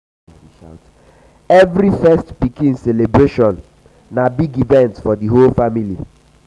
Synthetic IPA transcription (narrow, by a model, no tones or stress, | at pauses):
a̰t | ɛvɾifɛstpikĩnselebɾeʃɔ̃nː | abiɡivɛ̃ntfɔdiɦolfamili